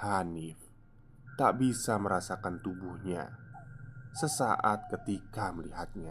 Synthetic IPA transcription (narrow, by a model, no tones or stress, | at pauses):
hanɪf | t̪a̰ʔbisaməɾasakant̪ubuhɲa̰ | səsa̰ʔat̪̚kət̪ikaməliɦat̪̚ɲa